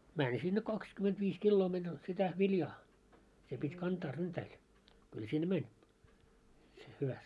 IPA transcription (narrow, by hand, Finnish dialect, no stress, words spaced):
mænʲ sinːe kɑkskymentʋiːs kilːoː menʲ sitæ ʋiljɑː se pitʲ kɑntɑː ryntæil kyl sinːe mænʲ se hyʋæst